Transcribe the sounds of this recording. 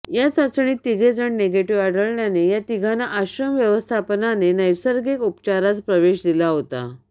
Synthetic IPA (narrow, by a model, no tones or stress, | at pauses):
jat͡sat͡sɳiːt̪iɡʱed͡zəɳneɡeʈiʋaɽəɭɳjanejat̪iɡʱanaʔaɕɾəmʋjəʋəst̪ʰapənanenəjsəɾɡekupt͡ɕaɾat͡spɾəʋeɕd̪ilaɦot̪a̰